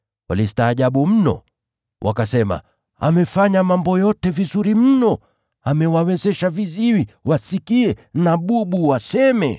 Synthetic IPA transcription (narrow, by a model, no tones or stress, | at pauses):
a̰listaːʄaɓum̩nɔ̰ | wʔa̰kasɛma̰ | a̰mɛfaɲamambɔjɔtɛvizuɾim̩nɔ | amɛwawɛzɛʃaviziwiwasikiɛnaɓuɓuwasɛmɛ̰